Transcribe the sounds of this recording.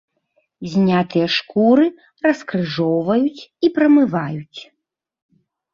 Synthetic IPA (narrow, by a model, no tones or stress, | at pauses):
zʲnʲat̪ɨjɐʂkuɾɨ | ɾɐskɾɨʐɔwvɐjut͡sʲipɾɐmɨvajut͡sʲ